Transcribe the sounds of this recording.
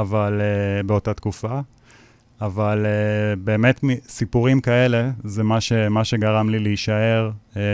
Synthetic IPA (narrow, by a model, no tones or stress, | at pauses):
avalebeo̞tat̪kufa | avalebe̞ːme̞tmisipuʁimkae̞le̞zemaʃemaʃe̞ɡaʁamlileiʃae̞ʁ